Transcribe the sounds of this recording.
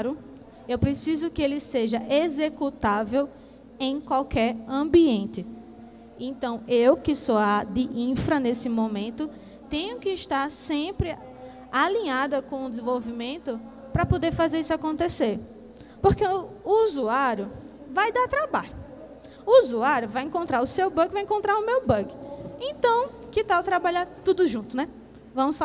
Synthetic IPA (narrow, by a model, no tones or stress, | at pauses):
ɾʊ | ewpɾesizʊkɪelɪseʒɐʔezekut̪avew | ẽj̃kwawkʰɛɾɐ̃biẽnt̪ɪ | ẽnt̪ɐ̃w̃ewkɪsoad̪ɪʔĩfɾɐnesɪmõmẽnt̪ʊ | t̪ẽɲʊkɪːʃt̪aɾsẽpɾɪ | alĩɲad̪ɐkõʊ̃d̪ɪz̃vowvimẽnt̪ʊ | pɾɐpod̪eɾfazeɾisakõnt̪eseɾ | poɾkeuuzuaɾjʊ | vajd̪aɾt̪ɾabaʎʊː | zuaɾjʊvajẽkõnt̪ɾaɾʊsewbɐ̃ɡɪvajẽkõnt̪ɾaɾʊmewbɐ̃ɡɪẽt̪ɐ̃w̃kɪt̪awt̪ɾabaʎaɾt̪ud̪ʊʒũt̪ʊnɛ | vɐ̃mʊsf